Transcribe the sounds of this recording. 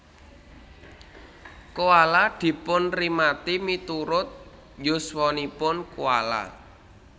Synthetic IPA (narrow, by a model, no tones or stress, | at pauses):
koalad̪̥i̤pʊnrimat̪imit̪uɾʊt̪̚ | jʊswɔnipʊnkuwa̰la̰